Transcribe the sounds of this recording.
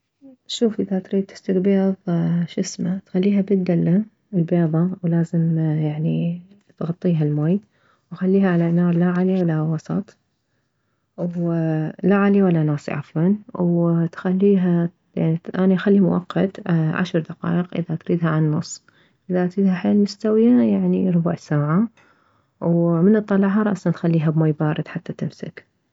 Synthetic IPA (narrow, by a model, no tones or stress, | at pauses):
ʃuːfʔɪðat̪ɾiːd̪̚t̪ɪ̥st̪ɪɡbeːðˤʃɪsmat̪xalːiːɦabɪd̪ːalːa | ɪlbeːðˤɑwlaːzɪmjaʕni | t̪ɣɑt̪ˤːiːɦalmaːj | wxalːiːhaʕalanɑːɾˤlaʕaliwalːawɑsˤɑ̰t̪ˤ | w | laʕaliwalːanaːsˤḭʔa̰fwɑnwt̪xalːiːɦa | jaʕniʔaːnixalːimʊwɑ̰qːɑt̪ʕa̰ʃɾˤd̪aqɑ̰ːʔɪqʔɪ̰ðat̪ɾiːd̪haʕanːʊ̰sˤː | ʔɪðaʔt̪ɾiːd̪haħeːlmʊst̪awjajaʕniɾˤʊbaʕsaːʕa | wmɪnɨt̪ˤːɑlɑʕɦɑɾˤɑʔsɑnt̪xalːiːɦabmaːjbaːɾˤɨd̪ħat̪ːat̪ɪmsɪ̰k